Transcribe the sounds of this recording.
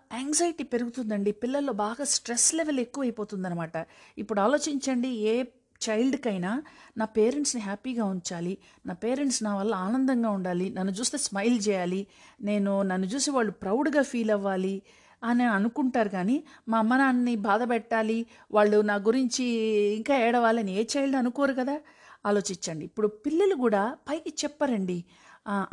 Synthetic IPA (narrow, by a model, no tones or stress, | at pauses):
eːŋɡzɐjiʈiːpe̞ɾuɡut̪und̪ɐɳɖipilːɐlːo̞ːbaːɡaːsʈɾesleʋele̞kːuʋɐjpo̞ːt̪und̪ɐnːɐmaːʈɐipːuɽaːlo̞ːt͡ʃiɲt͡ʃɐɳɖieː | t͡ʃɐjlɖkɐjnaːnaːpeːɾe̞ɳʈsniɦaːpiɡaːuɲt͡ʃaːli | naːpeːɾeɳʈsnaːʋɐlːɐaːnɐnd̪ɐŋɡaːuɳɖaːlinɐnːut͡ʃuːst̪e̞ːsmɐjlt͡ʃɛːjaːline̞ːnunɐnːut͡ʃuːsiʋaːɭːupɾɐwɖɡaːpʰiːlɐʋːaːli | ɐneɐnukuɳʈaːɾuɡaːnimɐmːɐnaːnːibaːd̪ɐpɛʈːaːli | ʋaːɭːunaːɡuɾiɲt͡ʃiːŋkaːɛːɽɐʋaːlɐnieːt͡ʃɐjlɖɐnukoːɾukɐd̪aː | aːlo̞ːt͡ʃiɲt͡ʃːɐɳɖiːpːuɽupilːɐlukuːɽaːpɐjkit͡ʃɛpːɐɾɐɳɖi